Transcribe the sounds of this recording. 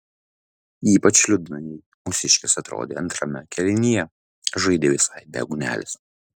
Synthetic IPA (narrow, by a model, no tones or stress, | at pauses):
iːpɐt͡ʃlʲʊd̪ʲnɐjɛ | mʊsʲɪʃʲkʲɪsɐt̪ɾo̰ːd̪ʲḛːɐnt̪ɾɐmʲɛkʲʰɛlʲɪnʲijɛ | ʒɐɪd̪ʲeːʋʲɪsɐɪd̪ʲɛ̰ɡʊnʲæ̰ːlʲɪs